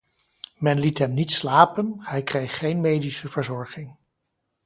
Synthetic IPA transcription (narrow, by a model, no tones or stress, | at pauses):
mɛnlitɦɛmnitslaːpənhɛjkrejχχejnmejdisəvəɹzɔɹχɪŋ